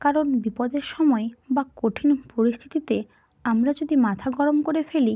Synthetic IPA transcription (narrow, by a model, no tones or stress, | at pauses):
kaɾonbipɔd̪eɾʃɔmɔebakoʈʰinpoɾist̪ʰi̥t̪it̪e | amɾad͡ʑod̪imat̪ʰaɡɔɾomkoɾefeli